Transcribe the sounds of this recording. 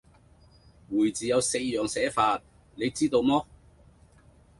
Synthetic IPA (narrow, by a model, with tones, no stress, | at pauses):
wuː˨˩jt͡siː˨˩jɐ˨˧wse˧jːœː˨ŋsɛː˨˥faː˧t̚ | ne˨˧jt͡siː˥t̪o˧wmɔː˥